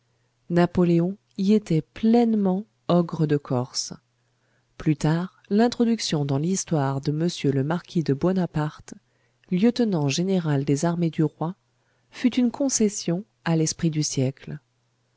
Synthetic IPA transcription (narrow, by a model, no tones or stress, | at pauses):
napɔleɔ̃ | iet̪ɛplɛnmɑ̃ | ɔɡʁəd̪əkʰɔʁs | plyt̪aʁ | lɛ̃t̪χɔd̪yksjɔ̃d̪ɑ̃list̪waʁd̪əməsjøləmaʁkʲid̪əbɔnapaʁt̪ | ljət̪nɑ̃ʒeneʁald̪ezaʁmed̪yʁwa | fyt̪ynkʰɔ̃sɛsjɔ̃ | alɛspχid̪ysjɛkl